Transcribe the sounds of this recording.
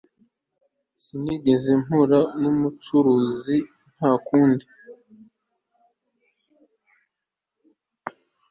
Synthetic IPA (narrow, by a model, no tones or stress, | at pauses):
siniɡezemuɾanumut͡ʃuɾuzi | n̥hakuːndi